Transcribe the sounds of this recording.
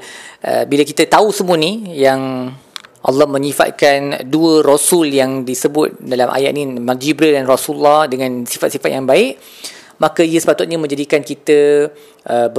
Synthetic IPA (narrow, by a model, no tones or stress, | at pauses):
ʔə̰bilakit̪ət̪ausəmũənijaŋ | ʔa̰lːɑhmə̃ɲĩfa̰t̪̚kanduərosuljaŋdisəbʊt̪̚dalamʔa̰ja̰ʔ̪̚nĩmard͡ʒibɾədanrosulːahdəŋãnsifat̪̚sifat̪̚jaŋbaɪʔ | makaiəsə̥pat̪ʊt̪̚ɲamə̃ɲd͡ʒadikankit̪ə | ʔəb